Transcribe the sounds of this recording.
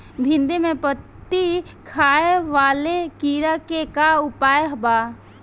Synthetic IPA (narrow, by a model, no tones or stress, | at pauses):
bʱɪ̃nd̪emẽpət̪ːikʰaːeʋaːlekiːɾakekaʊpaːjeɦbaː